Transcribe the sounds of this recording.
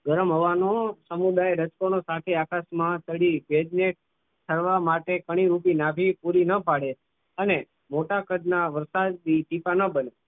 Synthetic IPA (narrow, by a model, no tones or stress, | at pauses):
ɡəɾəmɦəʋanosəmud̪aeɾət͡ʃkonosat̪ʰeakasmãt̪əɽibed͡ʒnek̚ | t̪ʰəɾʋamaʈekəɽ̃iɾupinabʱipuɾinəpaɽe | əne | moʈakəd̪naʋəɾsad̪̚ːiʈipanəbəne